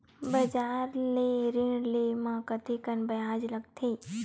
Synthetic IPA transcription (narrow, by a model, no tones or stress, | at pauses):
bəd͡ʒaɾleɾiɳɖlemãkət̪ʰikənbəjãd͡ʒləɡ̚t̪ʰəi